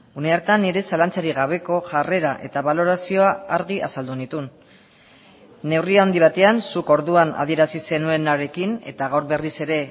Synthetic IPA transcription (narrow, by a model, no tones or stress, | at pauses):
une̞aɾt̪anːiɾe̞salant͡saɾiɣ̞aβ̞e̞ko̞ʝare̞ɾaʔe̞t̪aβalo̞ɾasio̞aːɾɣiʔa̰sald̪unit̪un | e̞wriao̞nd̪iβ̞at̪e̞ansuko̞ɾðuana̰ð̞ie̞ɾasise̞nue̞naɾe̞kine̞t̪aɣ̞awɾβe̞rise̞ɾe̞